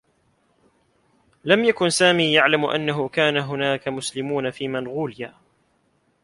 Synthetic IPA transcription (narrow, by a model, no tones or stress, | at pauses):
lamjakʊnsaːmiːjaʕlamʔa̰nːaɦʊkaːnaɦʊnaːkamʊslɪmuːnafiːmanɣuːljaː